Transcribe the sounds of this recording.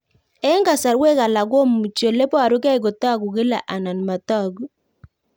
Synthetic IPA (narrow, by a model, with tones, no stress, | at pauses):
ɛ˦ŋɡa˨sa˨ɾwe˦ka˨la˨ɡo˦mu˨t͡ʃjo˨le˦pɔ˦a˨ɾʊ˦kɛ˦˨ɡo˨ta˦˨ɡu˨ke˦la̰˨ʔa˨na˨n˨ma˨tɔ˦˨ɡu˨